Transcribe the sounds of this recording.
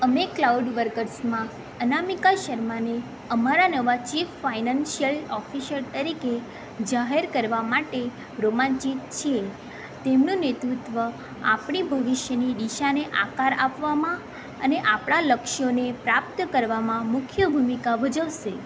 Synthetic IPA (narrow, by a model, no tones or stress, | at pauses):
əmeklawɖʋəɾkəɾsmã | ənamikaʃəɾmane | əmaɾanəʋat͡ʃifːainanʃijəlɔfiʃəɾt̪əɾike | d͡ʒaɦeɾkəɾʋamaʈe | ɾomãɲt͡ʃit̪t͡ʃʰie | t̪emnũnet̪ɾut̪ʋə | a̰pɳ̃ibʱəʋiʃjəniɗ̪iʃaneʔakaɾapʋamã | ə̰neʔapɽaləkʃonepɾap̚t̪kəɾʋamãmʊkʰjəbʱumikabʱəd͡ʒəʋʃe